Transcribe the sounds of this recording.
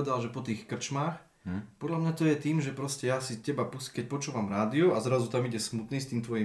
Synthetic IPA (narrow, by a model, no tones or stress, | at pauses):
ɛd̪alʒɛpɔt̪iːxkr̩t͡ʃmaːx | pɔd̪ʎamɲat̪ɔjɛt̪iːmʒɛpɾɔscɛjasicɛbapuskɛc̚pɔt͡ʃuːʋamɾaːd̪iuazɾazut̪amiɟɛsmut̪niːst̪iːmt̪ʋɔji